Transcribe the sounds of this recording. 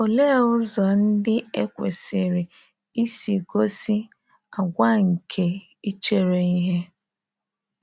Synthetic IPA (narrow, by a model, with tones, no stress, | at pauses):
o˨le˦˨ʊ˦zɔ˨n̩˦dɪ˦e˦kʷḛ˨sɪ˨ɾɪ˨ | i˦si˨ɡo˦si˦ | a˨ɡʷa˦ŋ̩˨kʰe˨ | i˦t͡ʃe˦ɾe˨i˦ɦe˦